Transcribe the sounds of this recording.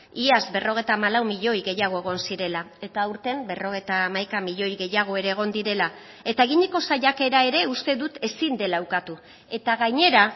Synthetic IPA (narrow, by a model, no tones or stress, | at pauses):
iazbe̞ro̞ɣ̞e̞jt̪aːmalawmiʎo̞jɣe̞jaɣ̞o̞e̞ɣ̞o̞nsiɾe̞lae̞t̪auɾt̪e̞mbe̞ro̞ɣ̞e̞jt̪aːmajkamiʎo̞jɣe̞jaɣ̞o̞e̞ɾe̞ːɣ̞o̞nd̪iɾe̞la | e̞t̪aeɣiɲeko̞saʎake̞ɾae̞ɾe̞ust̪e̞ðut̪e̞sind̪e̞lawkat̪u | e̞t̪aɣaɲe̞ɾa